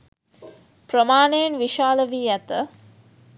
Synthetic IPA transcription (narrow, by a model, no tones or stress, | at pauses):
pɾəmaːɳejenʋiʃaːləʋiːæt̪ə